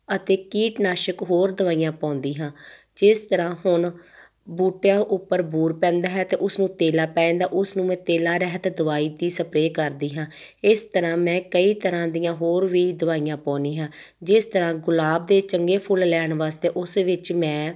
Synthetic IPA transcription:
ət̪eːkiːʈnaːʃəkɦoːɾd̪əʋaːijãːpɔ̃ːnd̪iːɦãː | d͡ʒɪst̪əɾãːhʊɳ | buːʈjãːʔʊpːəɾbuːɾpɛ̃ːnd̪aːɦɛːt̪eːʔʊsnũːt̪eːlaːpɛ̃ːnd̪aːʔʊsnũːmɛ̃ːt̪eːlaːɾɛɦt̪ːd̪ʊʋaːiːd̪iːsəpɾeːkəɾd̪iːɦãː | ɪst̪əɾãːmɛ̃ːkəiːt̪əɾãːd̪ijãːɦoːɾʋiːd̪əʋaːijãːpɔ̃ːniːɦãː | d͡ʒɪst̪əɾãːɡʊlaːbd̪eːt͡ʃəŋɡeːpʰʊllɛːɳʋaːst̪eːʔʊsʋɪt͡ʃmɛ̃ː

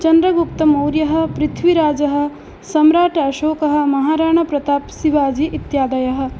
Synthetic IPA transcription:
t͡ʃɐnd̪ɾɐɡupt̪ɐmowɾjɐɦɐ̆pɾɪt̪ʰʋiɾaːd͡ʒɐɦɐ̆ | sɐmɾaːʈɐːʃoːkɐɦɐ̆mɐɦaːɾaːɳ̃ɐpɾɐt̪aːpsiʋaːd͡ʒiʔit̪jaːd̪ɐjɐɦɐ̆

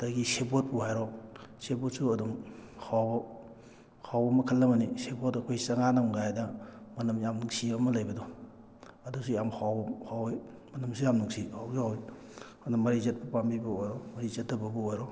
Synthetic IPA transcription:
d̥aɡisebot̚puhajɾɔsebot̚suɐduŋhʰawbɐ | hʰawbɐmɐkʰɐlːɐmɐnisebotɐkʰojsɐŋanamɡajdɐmɐnɐmjamnuŋsiamɐlɐjbɐdɔ | ɐdusujamhʰawɐhawoj | mɐnɐmsujamnuŋsihawzahoj | anɐmɐɾizɐt̚pɐpambibɐojɾɔmɐɾizɐt̚dɐbɐbɐojɾɔ

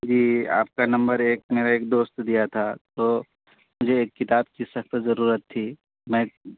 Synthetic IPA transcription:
d͡ʒiːa̰ːp̚kanɐ̃mbəɾeːk̚meːɾaeːk̚d̪oːst̪d̪ijat̪ʰat̪oː | mʊd͡ʒʱeːkːɪt̪aːbkisɐxt̪zɐɾuːɾət̪ʰːiː | mɛ̃ː

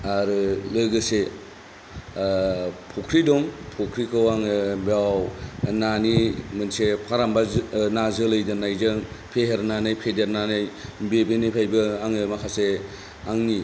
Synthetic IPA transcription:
aɾɯlɯɡɯse | pʰɔkʰɾidɔŋpʰokʰɾikʰɯwaŋɯbawnanimɯnsepʰaɾambanazɯlɯjdɯnajzɯŋpʰeɦeɾnanɯjpʰedeɾnanɯjbebenipʰajbɯaŋɯmakʰase | aŋni

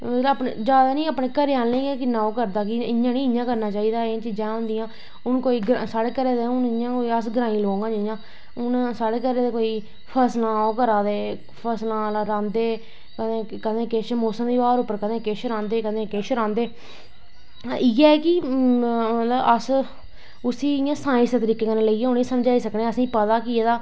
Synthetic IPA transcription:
mət̪ləbəːpnḛd͡ʒaːd̪aːnĩːaːpnẽːkəɾeːaːnlẽːɡɛːkɪnːãːoːkəɾd̪aːkɪɪɲjãːnĩːɪjãːkəɾnaːt͡ʃaːiːd̪aːet͡ʃid͡ʒãːɦʊ̃nd̪ɪjãː | ʊnkoːiːɡɾsaːɽeːkəɾeːd̪eʊnɪɲãːkoːiːəs̬ɡəɾaːĩːloːŋɡãːd͡ʒɪãː | ʊnsaːɽeːkəɾeːd̪eːkoːiː | pʰəslãːoːkəɾaːd̪eː | pʰəɾslãːɾãːnd̪eː | kəd̪ẽːkəd̪ẽːkeʃmoːsəmd̪iːʋaːɾʊpːəɾkəd̪ẽːkeːʃɾãːnd̪eːkəd̪ẽːkeːʃɾãːnd̪eː | ɪɛːɛːkɪ | mət̪ləbəs | ʊsiːjãːsãːɪ̃sd̪ːt̪əɾiːkeːkənẽːləiːãːʊnĩːsəmd͡ʒaːiːsəkneːəsĩːpət̪aːkɪeːd̪aː

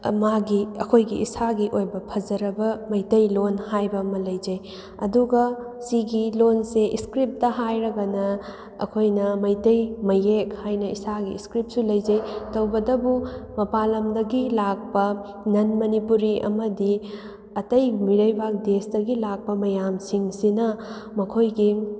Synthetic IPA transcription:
maɡiɐkʰojɡiisaɡiʔojbɐpʰɐd͡ʒɐɾɐbɐmɐjtɐjlonhajbɐɐmɐlɐjd͡ʒɐj | ɐduɡɐsiɡilonseʔiskɾip̚tɐɦajɾɐɡɐnɐ | ɐ̰kʰojnɐmɐjtɐjmɐjekhajnɐḭsaɡiḭskɾip̚sulɐjd͡ʒɐjtɐwbɐdɐbumɐpalɐmdɐɡilak̚pɐ | nɐnmɐnipuɾiʔɐ̰mɐdi | ɐtɐjmiɾɐjbak̚desdɐɡilak̚pɐmɐjamsiŋsinɐmɐkʰojɡi

